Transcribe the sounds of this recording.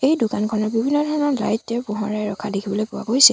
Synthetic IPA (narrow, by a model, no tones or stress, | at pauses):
ejdʊkankʰɔnɔɹbibʱinːɔdʱɔɹɔnɔɹla̰jtːɛpʊɦɔɹajɹɔkʰadekʰibɔlojpʊwa̰ɡojsɛ